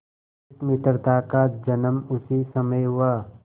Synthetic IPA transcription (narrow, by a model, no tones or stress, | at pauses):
kmɪt̪ɾt̪aːkaːd͡ʒɐnəmʊsisɐməjɦʊwaː